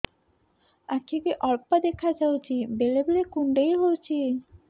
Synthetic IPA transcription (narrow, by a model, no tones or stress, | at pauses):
akʰikeʔɔɾpad̪ekʰad͡ʑawt͡ɕʰibelebelekuɳɖejɦowt͡ɕʰi